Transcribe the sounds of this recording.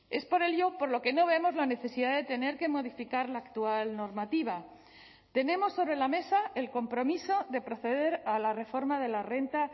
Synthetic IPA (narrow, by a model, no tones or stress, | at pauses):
e̞spo̞ɾe̞lʝo̞po̞ɾloke̞no̞βemo̞zlane̞θe̞siðaðe̞t̪e̞ne̞ɾke̞mo̞ð̞ifikaɾlaːkt̪ualno̞ɾmat̪iβ̞a | t̪e̞ne̞mo̞sːo̞βɾe̞lame̞sae̞lko̞mpɾo̞miso̞ðe̞pɾo̞θe̞ðe̞ɾalare̞fo̞ɾmaðe̞lare̞nt̪a